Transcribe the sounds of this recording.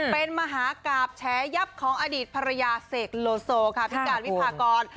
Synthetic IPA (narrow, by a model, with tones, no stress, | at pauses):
pe˧nma˧ɦaː˩˦kaː˨˩p̚t͡ɕʰɛː˨˦˥ja˦˥p̚kʰɔː˩˦ŋʔaː˧diː˨˩t̪̚pʰa˧ɾa˧jaː˧seː˨˩k̚loː˧soː˧kʰa˥˩pʰi˦˥kaː˨nwpʰaː˧kɔː˧n